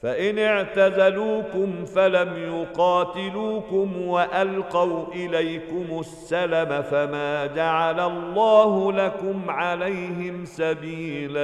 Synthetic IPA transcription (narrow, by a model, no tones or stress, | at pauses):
faʔɪnɪʕt̪azaluːkʊmfalamjʊqɑːt̪ɪluːkʊmwaʔalqɑwʔɪlajkʊmʊsːalamafamaːd͡ʒaʕalalˤːɑːhʊlakʊmʕalajɦɪmsabiːla